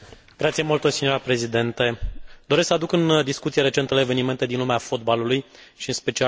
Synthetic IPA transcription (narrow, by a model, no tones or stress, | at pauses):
ɡɾat̪sijemolt̪osinjoɾapɾe̞zid̪e̞nt̪e̞d̪oɾesksəad̪ukɨnd̪iskut̪sije̞ɾe̞t͡ʃe̞nt̪əleːve̞nime̞nt̪einlumeafo̞d̪baluluj | ʃiɨnspe̞t͡ʃia